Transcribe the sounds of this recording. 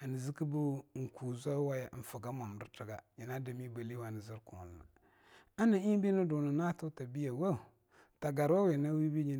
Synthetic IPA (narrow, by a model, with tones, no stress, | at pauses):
a˨ni˨zi˦kɨ˦bu˦ŋ̩˨ku˨za˦wa˦ja̰˨˦n̩˨fə˨ɡa˦ma˨m˨ɾɨ̰˦tə˨ɡa˨ji˨na˦da˨mi˦ba˨li˦wa˨nə˨zi˦ɾku˨lna̰˨ | a˦na˨i˦bi˦nɨ˦du˨nə˨na˦tu˦ta˨bi˦ja˨wa˦˨ | ta˨ɡa˨ɾwa˦wi˨na˦wi˦bi˦ɲi˦